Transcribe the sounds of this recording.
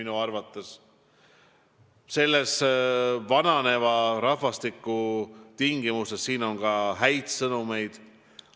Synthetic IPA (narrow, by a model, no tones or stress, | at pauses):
inuɑrvɑt̪ːˑes | se̞lːe̞s | vɑnɑne̞vɑɾɑɦvɑst̪ikːˑut̪iŋɡimuse̞sːiːno̞ŋkɑɦæjd̪sɤnume̞jd̪̥